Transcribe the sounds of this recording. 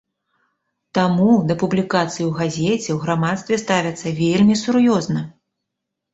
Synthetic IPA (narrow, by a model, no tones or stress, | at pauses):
t̪amud̪ɐpublʲikat̪sɨjiwɣazʲɛt͡sʲɛwɣɾamat̪st̪vʲɛst̪avʲɐt̪sːɐvʲelʲmʲisuɾjɔznɐ